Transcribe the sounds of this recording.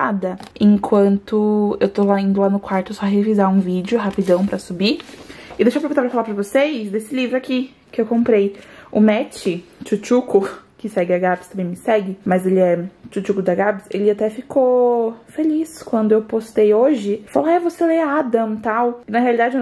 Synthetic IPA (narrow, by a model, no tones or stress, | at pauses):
ad̪ɐẽŋkʰwɐ̃nt̪ʊewt̪olaĩnd̪ʊlanʊkwaɾt̪ʊewsɔɦevizaũvid͡ʒɪʊɦapid̪ɐ̃w̃pɾɐsubiɪd̪eʃoɐpeɾɡũt̪apɾɐfalapɾɐvosejsd̪esɪlivɾʊaki | kɪewkõmpɾejʊmɛt͡ʃɪt͡ʃut͡ʃukʊkɪsɛɡɪɐɡabɪst̪ɐ̃mbẽj̃mɪsɛɡɪmɐzelɪɛt͡ʃut͡ʃukʊd̪ɐɡabɪselɪat̪ɛfikofeliskwɐ̃nd̪ʊewpost̪ejoʒɪfaloɛvoseleaad̪ɐ̃mt̪awɪnɐɦealid̪ad͡ʒɪ